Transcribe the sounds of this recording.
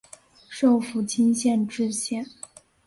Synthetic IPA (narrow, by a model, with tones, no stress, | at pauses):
ʂo˥˩ʊfu˧˥t͡ɕʰi˥nɕjɛ˥˧nʈ͡ʂɻ̩˥˧ɕjɛ˥˩n